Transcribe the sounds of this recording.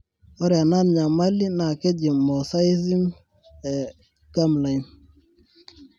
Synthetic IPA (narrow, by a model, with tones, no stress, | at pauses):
ɔ˦ɾɛ˨a˨na˦˨nɲa˨ma˦li˦na˨ke˦d͡ʒi˨mɔ˨sa˦i˦zi˦m | ɛ˨ | ɡ̥a˦mla˨i˦n